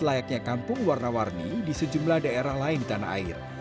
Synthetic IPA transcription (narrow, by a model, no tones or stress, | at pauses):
lajak̚ɲakampʊŋwarnawarnidisəd͡ʒumlahdaeɾahlaɪndit̪ana̰a̰ɪ̰r